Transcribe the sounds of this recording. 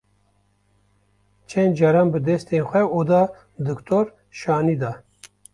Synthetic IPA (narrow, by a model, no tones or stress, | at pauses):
t͡ʃʰɛnd͡ʒɑɾɑːnbɨd̪ɛst̪eːnxʷɛod̪ɑː | d̪ɨkt̪ʰoːɾ | ʃɑːniːd̪ɑː